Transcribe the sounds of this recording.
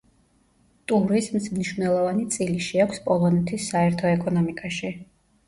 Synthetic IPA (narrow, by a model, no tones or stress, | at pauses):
t̪ʼuɾismmniʃvnɛlˠɔvanit̪sʼiliʃiakʷʰspʼɔlˠɔnɛt̪ʰisːaɛɾt̪ʰɔɛkʼɔnɔmikʼaʃi